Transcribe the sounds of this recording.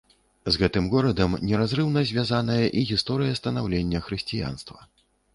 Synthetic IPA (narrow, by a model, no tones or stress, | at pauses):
zɣɛt̪ɨmɣɔɾɐd̪ɐmnʲɛɾazɾɨwnɐzʲvʲjazanɐjɐʔiɣʲist̪ɔɾɨjɐst̪ɐnawlʲenʲːɐxɾɨsʲt͡sʲija̰n̪st̪vɐ